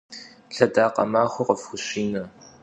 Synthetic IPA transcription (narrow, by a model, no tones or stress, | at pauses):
ɬɐdaːqɐ̰maːxʷʊqəfxʷʊɕiːnɐ